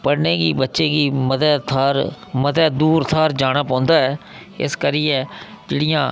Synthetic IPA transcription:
pəɽnẽːɡiːbətːʃẽːɡiːməd̪ɛːt̪ʰaːɾ | məd̪ɛːd̪uːɾt̪ʰaːɾd͡ʒaːɽ̃aːpɔ̃ːnd̪aːɦɛː | ɪ̰skəɾiːɛː | d͡ʒeːɽijãː

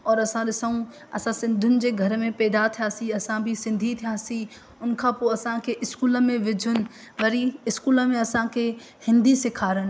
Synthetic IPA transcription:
ɔːɾɐsãɗɪsaũ | ɐ̰sãsɪ̃nd̪ʱʊnɪ̆d͡ʑeːɡʱɐɾmẽpɛːd̪at̪ʰijaːsiɐsãbʱisɪ̃nd̪ʱit̪ʰijasi | ʊnkʰãpoɐsãkʰeʔɪskuːləmẽʋɪd͡ʑʱʊnɪ̆ | ʋɐɾiɪskuːləmẽɐsãkʰe | hɪ̃nd̪ʱisɪkʰaːɾənɪ̆

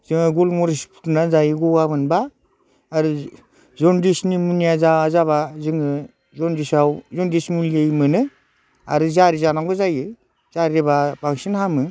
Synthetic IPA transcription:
z̥ɯŋɯɡulmuɾispʰu̥tnazajɯɡɔabɯnbaː | ɾɯ | zɔndisnimunijazaazaβazɯŋɯ | zɔndisawzɔndismulijejmɯnɯ | a̰ɾɯzaɾizanaŋɡɯzajɯ | z̥aɾibabaŋsinhamɯ

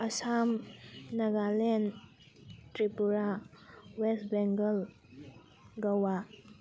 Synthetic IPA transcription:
ɐsamnɐɡalen | tɾipuɾawesbɛŋɡəl | ɡɐwa

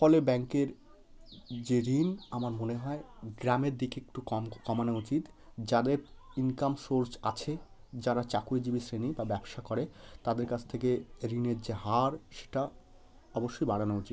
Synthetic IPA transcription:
fɔlebɛŋkeɾ | d͡ʑeɾinamaɾmoneɦɔeɡɾameɾd̪ikek̚ʈukɔmkɔmanaut͡ɕit̪ | d͡ʑad̪eɾ | inkamʃoɾt͡ɕat͡ɕʰed͡ʑaɾat͡ɕakued͡ʑibisɾenibabɛbʃakɔɾet̪ad̪eɾkat͡ɕʰt̪ʰekeɾineɾd͡ʑeɦaɾʃe̥ʈa | ɔboʃːojbaɽanout͡ɕit̪̚

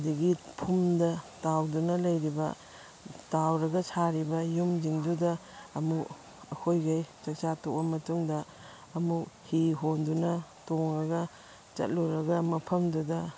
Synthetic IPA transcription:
diɡipʰumdɐtawdunɐlɐjɾibɐ̰ | tawɾɐɡɐsʰaɾibɐjumd͡ʒiŋdudɐːmu | ɐkʰojɡɐjt͡ʃɐk̚t͡ʃatok̚bɐmɐtuŋdɐː | muhiɦondunɐtoŋɾɐɡɐ | t͡ʃɐ̰t̚luɾɐɡɐmɐpʰɐmdudɐ

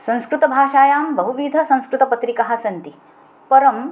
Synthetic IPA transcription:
sɐ̃ñskɾut̪ɐbʱaːʃaːjaːmbɐɦuʋiːd̪ʱɐsɐ̃ñskɾut̪ɐpɐt̪ɾikɐɦɐ̆sɐnt̪i | pɐɾɐm

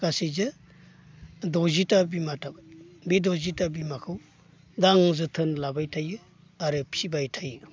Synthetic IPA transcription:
kasizɯ | dozitabimatʰabbidozitabimakʰɯw | daŋzɯtʰɯnlabajtʰajɯ | aɾɯpʰibajtʰajɯ

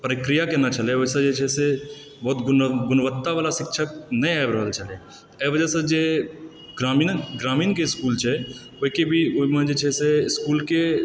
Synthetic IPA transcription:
pəɾɪkɾijakenat͡ʃɐleʋosed͡ʒet͡ʃʰɛse | bɔɦːt̪ɡʊɡʊnʋət̪ːaʋaːlaʃɪkʃʰək̚nɐĩajbɾəɦəlt͡ʃɐle | eʋəd͡ʒɛsed͡ʒe | ɡɾaːmiːnɡɾaːmiːnkeɪskuːlt͡ʃʰɛ | oːikebʱioimẽd͡ʒet͡ʃʰɛseɪskuːlke

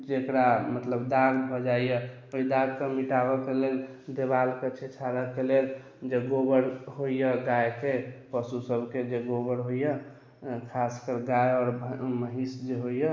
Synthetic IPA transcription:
d͡ʒekɾamət̪ləbd̪aɡbʱɔd͡ʒaijə | oid̪aɡkemiʈabəkeleld̪ebalket͡ʃʰet͡ʃʰaɾəkelel | d͡ʒeɡobəɾɦoijəɡajkepəsusəbʱked͡ʒeɡobəɾɦojə | kʰaskəɾɡajɔːɾbməɦisd͡ʒeɦoijə

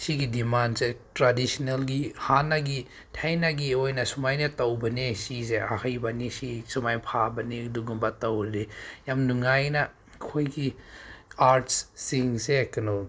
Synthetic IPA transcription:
siɡidimansetɾadisinelɡihanːaɡi | tʰajnaɡiojnɐsumajnɐtawbɐnesizeahɐjbanisisumajpʰabɐniduɡumbatawlijamnuŋajnɐ | kʰojɡi | aɾtssiŋsekɐnɔ

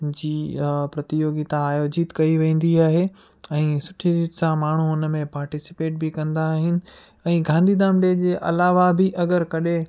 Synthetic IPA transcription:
d͡ʑiːpɾɐt̪ɪjoːɡit̪ãaːjoːd͡ʑɪt̪kɐiʋẽːn̆d̪iaːɦeː | ɛ̃ːsʊʈʰiɾiːt̪sãmaːɳ̤uɦʊnəmẽpaːɾʈɪsɪ̥peːʈ̚bʱɪkɐ̃nd̪aːɦɪnɪ̆ | ɛ̃ːɡãːnd̪ʱiːd̪aːmɖeːd͡ʑeːʔɐlaːʋabʱɪʔɐɡəɾkɐɗe

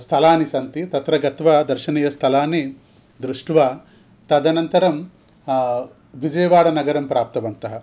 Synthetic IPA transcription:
st̪ʰɐlaːnisɐnt̪it̪ɐt̪ɾɐɡɐt̪ʋɐd̪ɐɾʃɐniːjɐst̪ʰɐlaːnːi | d̪ɾuʂʈʋɐ | t̪ɐd̪ɐnɐnt̪ɐɾɐm | ʋid͡ʒɐjɐʋaːɽɐnɐɡɐɾɐmpɾaːp̚t̪ɐʋɐnt̪ɐɦɐ̆

